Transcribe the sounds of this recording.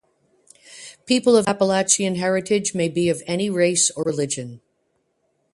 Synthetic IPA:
pʰipl̩ˠʌvæpəlækʃiɨ̃nɦɛɹɨɾɪd͡ʒmeɪbiʌvɛniɹeɪsə˞ɹɨlɪd͡ʒɨ̃n

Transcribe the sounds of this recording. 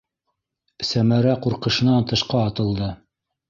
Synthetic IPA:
sæmæɾæquɾqɤ̆ʃɤ̆nɑnt̪ɤ̆ʃqɑːt̪ɤ̆lˠd̪ɤ

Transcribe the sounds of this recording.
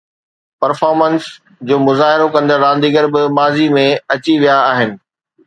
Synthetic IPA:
pɐɾfaːɾməns | d͡ʑoːmʊzaːɦɪɾokɐ̃nd̪əɾːãːnd̪iɡəɾbɪmaːzimẽɐt͡ɕiʋijaːɦɪnɪ̆

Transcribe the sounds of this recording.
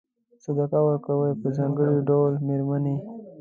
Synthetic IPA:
səd̪akawəɾkawəjpəzɑ̃ŋɡəɽiɖawlmeɾmani

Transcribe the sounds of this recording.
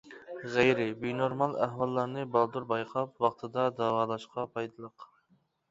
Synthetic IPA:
ʁejɾɪbinoɾmɑlˠæɦwɑlˠːɑɾnɨbɑlˠd̪uɾbɑjqʰɑp̚wɑχt̪ʰɨd̪ɑd̪ɑːwɑːlˠɑʃqʰɑpʰɑjd̪ɨlˠəq

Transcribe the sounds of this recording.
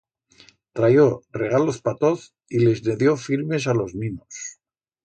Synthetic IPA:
t̪ɾajo̞re̞ɣ̞alo̞spat̪o̞θ | ile̞zneðjo̞fiɾme̞s̬alo̞zmĩnos

